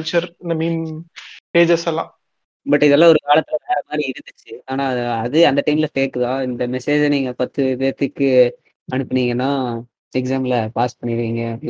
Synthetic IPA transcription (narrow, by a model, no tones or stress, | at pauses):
t͡ʃɐɾɪnd̪ɐmiːn | ʈeːd͡ʒɐsɛlːã̰ː | bɐʈːɪðɛlːãːɔɾɯkaːɭɐt̪ːɯlɐlãːɾɐmaːd̪ɾiɪɾɯnd̪ɯt͡ʃːɯaːnaːɐðɯɐnd̪ɐʈɐɪmɪlɐfeːkːɯðãːɪnd̪ɐmɛseːd͡ʒniːŋɡɐpɐt̪ːɯʋeːt̪ːɯkːɯ | ɐɳɯpːɐɳiːŋɡɐnːãː | ɛksaːmɪlɐpaːspɐɳːɪɾɯkːiːŋɡɐ